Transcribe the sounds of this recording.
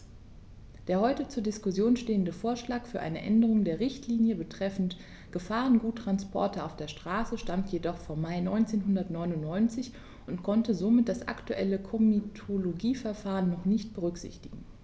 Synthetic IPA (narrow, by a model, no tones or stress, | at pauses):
d̥eːɐhɔʏtət͡suːɐdɪskʊsjoːnʃteːəndəfoːɐʃlaːkfyːɐʔa̰ɪnəʔɛ̰ndəʁ̞ʊŋdeːɐʁɪçtʰliːnjəbətʁ̥ɛfn̩t | ɡ̥əfaːʁənɡuːtːʁ̥anspɔ̰ɐtɐa̰ʊfd̥eːɐʃtʁ̥aːsəʃtamtʰjedɔχfoːɐmːaɪnɔʏnt͡seːnɦʊndɐtnɔʏnʊnnɔʏnt͡sɪç | ʔʊntkʰɔntəzomɪt̚d̥asʔa̰ktuʔɛ̰ləkʰɔmitʰoloɡiːfɛɐfaːʁənːɔχnɪçt̚b̥əʁʏkz̥ɪ̰çtɪɡ̥ŋ̩